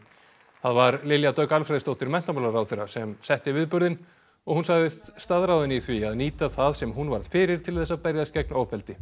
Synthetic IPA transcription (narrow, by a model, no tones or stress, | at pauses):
θaðvaɾlɪljat̪œːɥkalfɾajðɪst̪owht̪ɪɾmɛn̥t̪amalaɾawθejɾasɛmsɛht̪ɪvɪːðpʏɾðɪn | ɔɣhunsaɣðɪst̪st̪aðɾawðɪniθviaðniːt̪aθaðsɛmɦunvaɾðfɪːɾɪɾ̥t̪ʰɪlθɛsːapɛɾjaðscɛknoːwpɛlt̪ɪ